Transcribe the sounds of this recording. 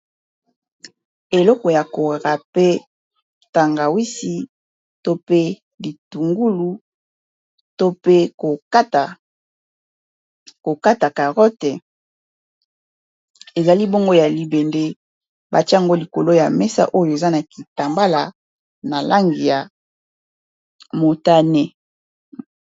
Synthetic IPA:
e˨lɔ˦kɔ˨ja˨ko˨ʁa˨pe˦ | ta˨ŋɡa˨wi˦si˨ | to˦pe˦ | bi˨tu˨ŋɡu˦lu˦ | to˦pe˦ko˨˦ta˨ | ko˨ka˦ta˨ka˨ʁɔ˦te˨ | e˨za˨li˦bo˦ŋɡo˦ja˨li˨be˨nde˦ | ba˨ti˦˨ŋɡo˦li˨ko˨lo˦ja˨mɛ˦sa̰˦ʔo˦jo˨e˨za˦na˨ki˨ta˨mba˦la˨ | na˨lʔa˦ŋɡi˨ja˨ | mo˨ta˦ne˨

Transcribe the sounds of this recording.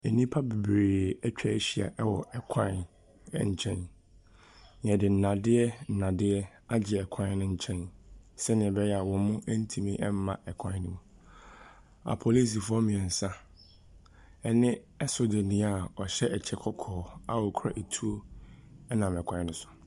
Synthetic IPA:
e˨nĩ˦pʰa˦be˨bɾeː˨ɛ˦t͡ɕᶣʰɛ˦ɕi˨a̰˨ʔɛ˦wɔ̰˨ʔɛ˨kʰã˦n̰˦˨ | ɲ̩˨t͡ɕʰɛ̃˦n | ɲ˨ɛ̃˨dɪ˨n̩˨nã˨dɪ˦ɛ˦n̩˨nã˨dɪ˦ɛ˦ | a˦d͡ʑɪ˨ɛ˨kʷʰã˦n˦nʊ̃˦ɲ̩˦t͡ɕʰɛ̃˦nsɛ˦nɪ̃˨ɛ˨bɛ˦jɛ˦a˨wɔ̃˨˦mʊ̃˦ʔɛ˦n̩˦tʰĩ˨mĩ˦ʔɛ˦m˦mã̰˨ɛ˨kʷʰã˦nʊ̃˦mũ˨ | a̰˨pʰo˨li˦s̬i˨fʊ˦ɔ˦mĩ˨ɛ̃˨n̩˨sã˦ | ɛ˨nɪ̃˦ | ɛ˦so˨de˨nĩ˨˦a˨ɔ˨ɕɛ˦ʔɛ˨t͡ɕʰɛ˨˦kʰɔ˦kʰɔː˨a˦˨wɔ˨kʰɾa̰˨ʔe˨tʰu˦o˦ɛ˦nã˨mɛ˨kʷʰã˨˦nʊ̃˦sʊ̥˨

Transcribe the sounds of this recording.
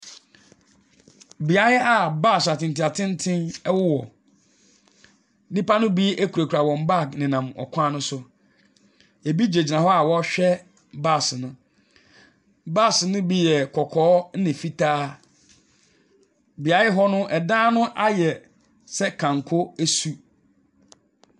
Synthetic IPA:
bi˨a˨˦ɪ˦a˨baː˦˨sa˨tɪ̃˨n˨tʰi˨a˨tʰɪ̃˦n˦tʰɪ̃˦nɛ˦wʊ˦wɔ˨ | nĩ˦pa˦nʊ̃˦bi˦ʔe˦kʰu˨ɾa˨kʰu˨ɾa˨wɔ̃˨mba˦˨knɪ̃˨nã˨mɔ̰˨kʷʰãː˦nʊ̃˦sʊ˦ | e˨bi˦d͡ʑe˨d͡ʑi˨nã˨ɦɔ˦a˨wɔ˦ɕᶣɛ˦ | ba˦˨snʊ̃˦ | ba˦˨snʊ̃˦bi˦jɛ˨kʰɔ˨kʰɔː˦n̩˦nɪ̃˨fi˦tʰaː˦ | bi˨a˨jɪ˦ɦɔ˦nʊ̃˦ʔɛ˨dãː˦nʊ̃˦ʔa˦jɛ˨ | sɛ˦kʰã˨ŋkʰʊ˦æ˦su˦

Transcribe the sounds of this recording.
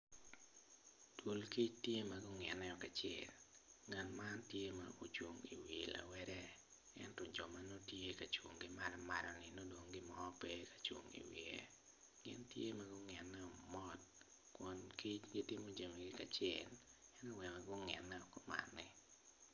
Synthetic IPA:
tu˨lki˦t͡ʃtje˦ma˨ɡʊ˦ŋɛ˨nːɛ˦ɔ˨ka˨t͡ʃɛ̰˨lŋɛ˨nma˦ntje˦ma̰˨o˦t͡ʃo˨ŋi˨wi˨la̰˨wɛɾɛ˦ | ɛ̰˦ntɔ˨d͡ʒɔ˨ma˨no˦tje˦ka˨t͡ʃwo˨ŋɡɪ˦ma˦lɔma˨lɔ˨nɪ˨no˦do˨ŋɡɪ˦mɔ˦pe˦kḁ˨t͡ʃo̰˨ŋḭ˨wɪ̰˨ḛ˦ | ɡɪ̰˦ntje˦ma˨ɡʊ˦ŋɛ˨nːɛ˦ɔ˨mɔ˦t̚ | kwɔ˨nki˦t͡ʃɡi˦tɪ˦mo˦d͡ʒa˨mi˨ɡɪ˦ka˨t͡ʃɛɪ˨lɛ˦nɛ˦wɛ˨maɡʊ˦ŋɛ̰˨nːɛɔ˨kɔ˦ma̰˨nːɪ˨

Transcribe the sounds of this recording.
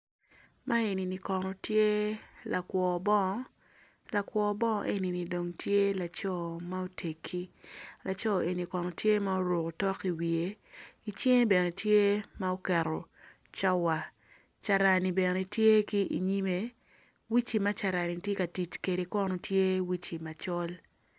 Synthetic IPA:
mʔa˦e˨ni˨ni˨kɔ˨nɔ˨tje˦la˨kwɔː˨bɔ˦ | la˨kwɔ˨˦bɔ˦˨ʔe˦ni˨ni˨do˨ŋtʰje˦la˨t͡ʃɔ˦˨ma˦o˦tʰe˨kʰːi˦lʔa˨t͡ʃɔ˦ʔe˨ni˨kɔ˨nɔ˨tje˦ma˦o˦ɾo˨ko˨tɔ˦ki˨wi˨e˦i˨t͡ʃe˦ŋe˦be˨ne˨tje˦ma˦o˦kɛ˨ɾɔ˨ | t͡ʃa˦wa˨ | t͡ʃa˨ɾa˨ni˨bɛ˨ne˨tje˦ki˦ʔḭ˨ɲi˦me˨ | wi˦t͡ʃi˨ma˦t͡ʃa˨ɾa˨ni˨tje˦ka˨ti˨t͡ʃke˨ɾe˨kɔ˦nɔ˨tje˦wi˦t͡ʃi˨ma˨t͡ʃɔ˦l

